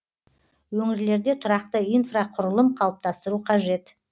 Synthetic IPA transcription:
wɵŋɪɾle̞ɾd̪e̞t̪ʰʊɾɑqt̪əijnfraqʰʊɾəlˠəmqʰɑlˠəp̚t̪ɑst̪əɾuqʰɑʒe̞t̪

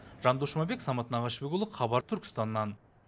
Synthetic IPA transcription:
ʒɑnd̪uʃmɑbe̞ksɑmɑt̪ənɑʁɑʃbeɡʲʊlˠəqʰɑβɑɾt̪ʰʏɾkʲɪ̥st̪ɑnːɑn

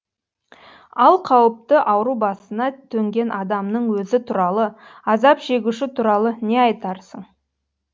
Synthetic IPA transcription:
ɑlˠqʰɑwəp̚t̪əʔɑwəɾubɑsənɑt̪ʰɵŋɡʲe̞nʔɑd̪ɑmnəɴwɵzɪt̪ʰuɾɑlˠəɑzɑpʒe̞ɡʲuʃɪt̪ʰuɾɑlˠəne̞ɑjt̪ɑɾsəɴ

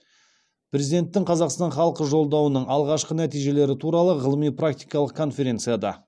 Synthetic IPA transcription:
pɾʲe̞zid̪e̞nt̪ːɪŋqʰɑzɑqst̪ɑnχɑlˠəqəʒo̞lˠd̪ɑwənəɴɑlˠʁɑʃqənæt̪ijʒe̞le̞ɾɪt̪ʰuɾɑlˠəʁəlˠəmijprakt̪ijkɑlˠəq̚kʰo̞nfʲe̞ɾʲe̞nt̪sɨjad̪ɑ̰

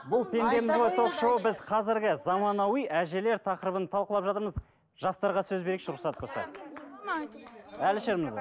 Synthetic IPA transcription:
bʊlˠpʰe̞nd̪e̞mɪzʁojt̪ʰo̞qʃowəbɪzqʰɑzɪɾɡʲɪzɑmɑnɑwijʔæʒe̞le̞ɾt̪ʰɑqəɾəbənt̪ʰɑlˠqəlˠɑpʒɑt̪əɾməz | ʒ̥ɑst̪ɑɾʁɑsɵzbeɾekʃɾʊχsɑt̪əpbolsɑ̰ | ælɪʃeɾmɪz

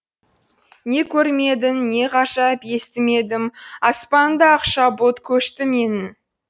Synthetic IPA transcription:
ne̞kʲʰɵɾme̞d̪ɪnːe̞qʰɑʃɑpe̞st̪ɪme̞d̪ɪmɑspɑnd̪ɑɑqʃɑbot̪kʲʰɵʃt̪ɪme̞nɪn

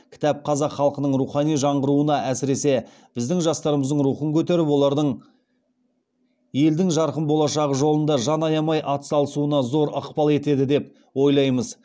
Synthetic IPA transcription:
kʲʰɪ̥t̪ɑp̚qʰɑzɑqχːɑlˠqənəɴɾuχɑnijʒɑɴʁəɾuənɑʔæsɪɾe̞se̞ | b̥ɪzd̪ɪŋʒɑst̪ɑɾəməzd̪əɴɾuχəŋkʲʰɵt̪e̞ɾɪpwo̞lˠɑɾd̪əɴ | je̞ld̪ɪŋʒɑɾqəmbo̞lˠɑʃɑʁəʒo̞lˠənd̪ɑʒɑnɑjɑmɑjʔɑt̪ə̥sɑlˠəsuənɑzo̞ɾə̰qpɑlˠe̞t̪e̞d̪ɪd̪e̞p | wo̞jlˠɑjməz

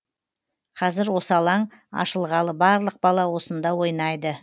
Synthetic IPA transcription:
qʰɑzɪɾwo̞səɑlˠɑɴ | ɑ̰ʃəlˠʁɑlˠəbɑɾlˠəq̚bɑlˠɑwo̞sənd̪ɑwo̞jnɑjd̪ə

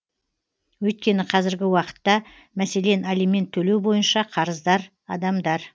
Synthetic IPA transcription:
wɵjt̪̚kʲe̞nɪqʰɑzɪɾɡʲɪwɑqə̥t̪ːɑ | mæse̞le̞nalijme̞nt̪ʰːɵlewbo̞jənʃɑqʰɑɾəzd̪ɑɾ | ɑd̪ɑmd̪ɑɾ

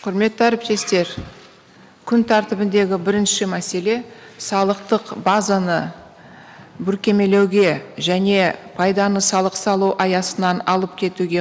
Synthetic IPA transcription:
qʰʊɾme̞t̪ːɪæɾɪp̚t̪e̞st̪e̞ɾ | kʲʰʏnt̪ʰæɾt̪ɪbɪnd̪e̞ɡʲɪbɪɾɪnʃɪmæse̞le̞sɑlˠəqt̪əqbazanə | bʏɾkʲe̞me̞le̞wɡʲe̞ʒæne̞pʰɑjd̪ɑnəsɑlˠəqsɑlˠuwʔɑjɑsənɑnɑlˠəp̚kʲʰe̞t̪uɡʲe̞

